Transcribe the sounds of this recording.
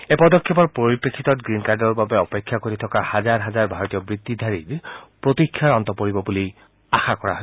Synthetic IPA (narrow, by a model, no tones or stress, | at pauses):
epɔd̪ɔkʰːɔpɔɹpɹoɹipekʰːit̪ɔtɡɹinkaɹdɔɹbabɛɔpekʰːjakoɹit̪ʰɔkahazaɹɦazaɹbʱaɹɔt̪ijɔbɹid̪ːid̪ʱaɹiɹpɹot̪ikʰːjaɹɔnt̪ɔpoɹibɔbuli | axakɔɹa̰ɦɔ